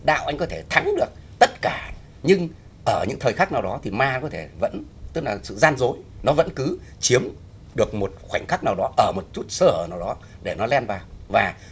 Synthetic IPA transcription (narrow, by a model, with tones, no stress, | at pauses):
ɗa̰ː˧˨wʔa˧jŋ̟kɔ˨˦t̪ʰe˧˩t̪ʰa˨˦ŋɗɨ˨˩ək̚t̪ə˦˥t̚kaː˧˩ | ɲɨ˧ŋ | ʔəː˧˩ɲɨ̰˧˥ŋt̪ʰəː˨˩jxaː˦˥k̚naː˨˩wɔ˨˦t̪ʰi˨˩maː˧kɔ˨˦t̪ʰe˧˩və̰˧˥nt̪ɨ˦˥k̚laː˨˩sɨ̰˧˨zaː˧nzo˨˦jnɔ˨˦və̰˧˥nkɨ˨˦t͡ɕi˨˦əm | ɗɨ˨˩ək̚mo˨˩t̚xwa˧˩jŋ̟xaː˦˥k̚naː˨˩wɗɔ˨˦ʔəː˧˩mo˨˩t̚t͡ɕu˦˥t̚səː˧˩həː˧˩naː˨˩wɗɔ˨˦ɗe˧˩nɔ˨˦lɛ˧nvaː˨˩wvaː˨˩